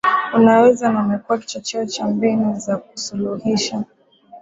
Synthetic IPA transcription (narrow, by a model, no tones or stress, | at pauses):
unawɛzanamɛkuaki̥t͡ʃat͡ʃɛɔt͡ʃambinuzak̚u̥suluhiʃa